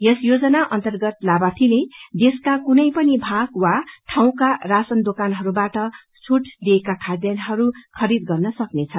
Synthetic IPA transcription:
jʌsjod͡zʌnaʔʌnt̪ʌrɡʌt̪labat̪ʰined̪eskakunʌjpʌnibʱaɡwaʈʰaw̃karasʌnd̪okanɦʌɾubaʈʌ | sʰuʈd̪iekakʰad̪jʌnɦʌɾukʰʌɾid̪ɡʌrnʌsʌknet͡sʰʌ

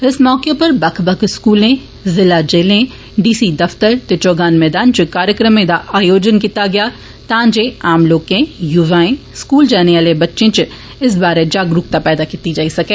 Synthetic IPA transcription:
ɪsmɔːkepɐɾbɐkʰbɐkʰskuːlẽ | zɪlad͡ʒeːlẽ | ɖiːsid̪ɐft̪əɾt̪et͡ʃoːɡaːnmɛːd̪aːnt͡ʃʊkaːɾjəkɾəmẽd̪aʔaːjoːd͡ʒənkiːt̪aɡɐjaː | t̪ãːd͡ʒeaːmloːkẽjʊʋaːẽ | skuːld͡ʒɛːneəlebɐtːʃẽt͡ʃ | ɪs̬baːɾed͡ʒaːɡɾʊkt̪apɛːd̪akit̪id͡ʒaːisɐkeː

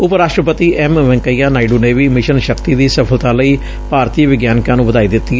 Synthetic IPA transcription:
ʊpɾaːʃʈɾəpət̪iːʔɛmʋɛ̃ŋkəijãːnaːiɖuːneːʋiːmɪʃənʃəkt̪iːd̪iːsəpʰəlt̪ãːləiː | paːɾt̪iːʋɪɡjaːnɪkãːnũːbəd̪aːiːd̪ɪt̪ːi

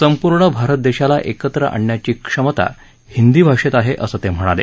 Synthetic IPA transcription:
səmpuɾɳəbʱaɾət̪̚d̪eɕalaʔekət̪ɾə̰ʔa̰ɳːjat͡ɕiːkʂəmət̪a̰ | hind̪iːbʱaʂet̪aɦeʔəsət̪em̤əɽ̃alḛ

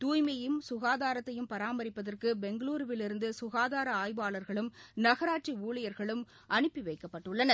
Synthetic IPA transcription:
t̪uːjmɐjɯmsʊɣaːðaːɾɐt̪ːɐjɯmpɐɾaːmɐɾɪpːɐðɐrkɯbɛŋɡɐɭuːɾɯʋɪlɪɾɯnd̪ɯsʊɣaːðaːɾɐaːjbaːɭɐɾɣɐɭɯmnɐɣɐɾaːʈ̚t͡ʃiuːɭɐjɐɾɣɐɭɯm | ʔɐɳɯpːiʋɐɪkːɐpːɐʈːɯɭːɐnɐ

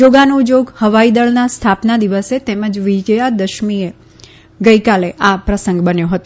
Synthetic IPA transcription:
d͡ʒoɡanũd͡ʒoɡhəʋaid̪əɭnast̪ʰapnad̪iʋəset̪eməd͡ʒʋid͡ʒəjad̪əʃmie | ɡəikaleʔapɾəsə̃ŋɡbənjoɦət̪o

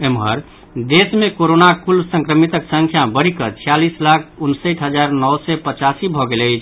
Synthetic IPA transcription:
emɦə̰ɾ | d̪esmekoɾonakulsə̃ŋkɾəmit̪əksə̃ŋkʰjabəɽ̤ikət͡ʃʰijalislakʰunsəʈ̪ʰɦəd͡ʒaɾnɔwsɛpət͡ʃasibʱɔɡeləɪt͡ʃʰ

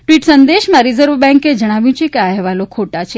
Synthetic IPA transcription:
ʈʋiʈsənd̪eʃmãɾizəɾʋbɛ̃ŋked͡ʒəɽ̃aʋjũt͡ʃʰekeaɦʋalokʰoʈat͡ʃʰe

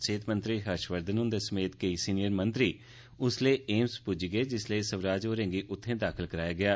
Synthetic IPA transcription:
t͡ʃeːt̪mənt̪ɾiːɦəɾʃʋəɾd̪ənʊ̃nd̪eːsəmeːt̪keiːsiːnɪjəɾmənt̪ɾiː | ʊsleːʔeːmspʊd͡ʒɡəeːd͡ʒɪsleisəʋɾaːd͡ʒoːɾẽːŋɡiːʔʊt̪ʰːẽːd̪aːkʰəlkəɾaːjaːɡɪaː

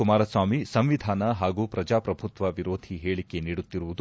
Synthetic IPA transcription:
kumaːɾɐsʋaːmisɐmʋid̪ʱaːnɐɦaːɡuːpɾɐd͡ʒaːpɾɐbʱut̪ʋɐʋiɾoːd̪ʱiɦeːɭike̞niːɽut̪ːiɾuʋud̪

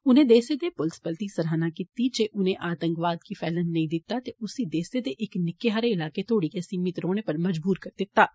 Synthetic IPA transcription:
ʊnẽːd̪eːsed̪eːpʊlspəlt̪isɐɾaːnãkɪt̪id͡ʒeːʔʊnẽʔaːt̪ə̃ŋkʋaːd̪kipʰɛːlənːɐĩːd̪ɪt̪ːat̪eʊsid̪eːsed̪eːʔɪknɪkːeɦaːɾeɪlaːket̪ʰoːɽiːkesiːmɪt̪ɾoːɽ̃epəɾməd͡ʒbuːɾkəɾd̪ɪt̪ːaː

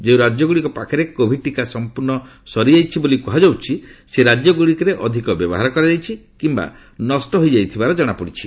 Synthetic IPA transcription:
d͡ʒewɾad͡ʒjɔɡuɽikɔpakʰɔɾekobʱiʈikasɔmpuɾnɔ | sɔɾiajt͡ʃʰibolikuɦad͡ʒawt͡ʃʰiseɾad͡ʒjɔɡuɽikɔɾeʔɔd̪ʱikɔbjɔ̰bɔɦaɾɔkɔɾad͡ʒajt͡ʃʰikimba̰ | nɔsʈɔɦojd͡ʒajt̪ʰibaɾɔd͡ʒɔɽ̃apɔɽit͡ʃʰi

